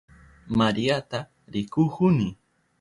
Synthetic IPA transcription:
maɾiat̪a | ɾɪkʊkʊnɪ

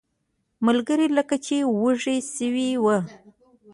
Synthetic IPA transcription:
məlɡəɾiləkat͡ʃewəʐesəwiwə

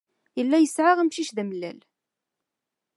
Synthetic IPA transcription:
jəlːæjəsʕaʁəmʃiʃðæməlːæl

